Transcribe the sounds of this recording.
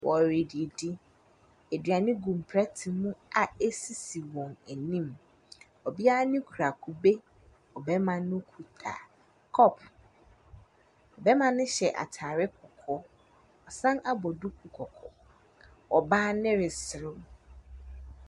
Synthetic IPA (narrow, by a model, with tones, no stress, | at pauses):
wʔɔ˨ɾi˨di˨e˨dɪ˦ | e˨dɥa˨nɪ̃˦ɡũ˨m˨pʰɾɛ˦tʰɪ˨mũ˦a˨e˦si˨si˨wɔ̃˨næ˨nĩ˦m | ɔ˨bi˦a˦a˦nʊ̃˦kʰu˨ɾa˨kʰu˨be˦ | ɔ˨bɛ˦mã˨nʊ̃˦kʰu˨tʰa̰˨ | kʰɔ˦˨pʰ | ɔ˨bɛ˦mã˨nʊ̃˦ɕɛ˨ʔa̰˨tʰaː˨ɾɪ˦kʰɔ˨kʰɔ˦ | ɔ˨sã˦na˨bɔ˨du˦kʰu˨kʰɔ˨kʰɔ˨ | ɔ˨baː˦nɪ̃˦ɾɪ˨sɪ˨ɾʊ˦